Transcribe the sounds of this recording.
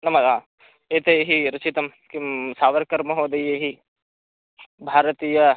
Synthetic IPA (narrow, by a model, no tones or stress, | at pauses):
nɐmɐsaː | eːt̪ejɦiɾɐt͡ʃit̪ɐm | kisaːʋɐɾkɐɾmɐɦoːd̪ɐjeɦi | bʱaːɾɐt̪iːjɐ